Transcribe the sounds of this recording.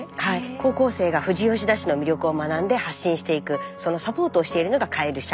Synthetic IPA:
haiko̞ːko̞ːse̞ːɡaɸɯ̟ʑijo̞ːɕ̬id̪aɕino̞mʲiɾʲo̞kɯ̟o̞manãnd̪e̞haɕːĩɰ̃ɕi̥t̪e̞ikɯ̟so̞no̞sapo̞ːt̪oːɕi̥t̪e̞iɾɯ̟no̞ɡakʰaeɾɯ̟ɕa

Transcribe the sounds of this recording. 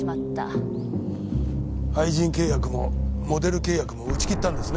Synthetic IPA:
mat̪ːa̰ | aiʑĩŋke̞ːjakɯ̟mo̞mo̞d̪e̞ɾɯ̟ke̞ːjakɯ̟mo̞ɯ̟t͡ɕi̥kʲit̪ːãnd̪e̞sɨne

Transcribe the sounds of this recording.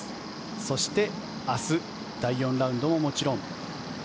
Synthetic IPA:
so̞ɕi̥t̪e̞ | asɨ | d̪̥aijõ̞nɾaɯ̃nd̪o̞mo̞mo̞t͡ɕiɾõŋ

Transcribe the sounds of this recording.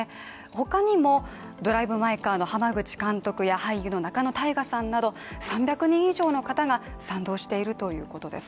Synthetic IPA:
e | ho̞kaɲ̟imo̞ | d̪o̞ɾaibɯ̟maikaːno̞hamaɡɯ̟t͡ɕi̥kãnt̪o̞kɯ̟jahaijɯno̞nakano̞t̪aiɡasãnːad̪o̞ | sãmbʲjakɯ̟ɲ̟ĩɰ̃iʑo̞ːno̞kat̪aɡasãnd̪o̞ːɕi̥t̪e̞iɾɯ̟t̪o̞jɯ̟̰ːko̞t̪o̞d̪e̞̰sɨ̥

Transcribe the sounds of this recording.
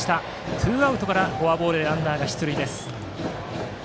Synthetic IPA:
i̥t̪a | t̪ʰɯ̟ːaɯ̟t̪o̞kaɾaɡo̞abo̞ːɾɯd̪eɾãnd̪aːɡaçi̥t̪oɾɯ̟id̪e̞sɨ̥

